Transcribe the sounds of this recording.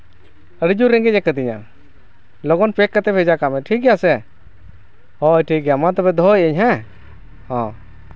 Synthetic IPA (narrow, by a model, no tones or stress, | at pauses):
əɾid͡ʒuɾɛŋɡɛd͡ʒɛkəd̪iɲa̰ | lɔɡɔnpɛkːət̪ɛpʰɛd͡ʒakamɛʈʰik̚ɡjasɛ | hɔjʈʰik̚ɡɛjamat̪ɔbɛd̪ʱɔjəɲɦɛ̃ | hɔ̃